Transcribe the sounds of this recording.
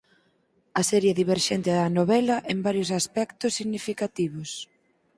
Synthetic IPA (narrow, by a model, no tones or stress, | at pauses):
ɐsɛɾjeðiβeɾʃɛnt̪ɪðɐnoβɛlɐʔɛmbaɾjosaspɛkt̪ʊsːiɣnifikat̪iβ̞ʊs